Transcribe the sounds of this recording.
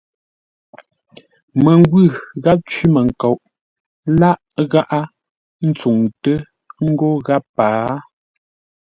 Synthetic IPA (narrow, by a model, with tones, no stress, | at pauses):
mə˨ŋ˦ɡwʉ˦˨ɣa˦p̚t͡ʃɥi˦mə˨ŋ̩˨ko˨ʔ | la˦ʔ | ɣa˦ʔa˦ | n̩˦t͡su˨ŋtə˦ | ŋ̩˦ɡo˦ɣa˦pːaː˨˦